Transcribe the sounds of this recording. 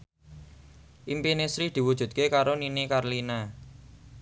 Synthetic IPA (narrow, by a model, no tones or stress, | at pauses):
ʔimpinesɾid̪̥i̤wud̥ʒ̥ṳt̪̚kekaɾoninikarlina